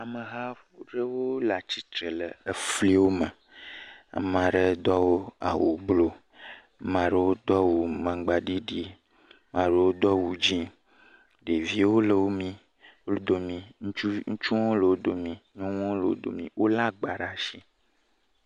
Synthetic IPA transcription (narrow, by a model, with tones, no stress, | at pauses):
a˨mə˨ɦa˦fu˦ɖe˦wo˦la˨t͡ɕi˨t̪ɾe˨le˨e˦fli˦wo˦mə˨ | a̰˨mã˨ɖe˦d̪ɔ˦wo˦a̰˨wo̰˨blo˦ | mã˨ɖe˨wo˦d̪ɔ˦wu˨mã˨ɡ͡ba˨ɖi˦ɖi˦ | mã˨ɖe˨wo˦d̪ɔ˦wu˨d͡ʒĩ˦ | ɖe˨vi˦wo˦lə˨wo˦mĩ˦ | wo˦ld̪o˨mĩ˨ŋ̩˦t͡ʃu˦ŋ̩˦t͡ʃu˦ŋɔ̃˦lə˨wo˦d̪o˨mĩ˨ɲɔ̃˦ŋ̃˦lə˨wo̰˦d̪o̰˨mĩ˨wʔo˦la˦ɡ͡ba˨ɖa˨ʃi˦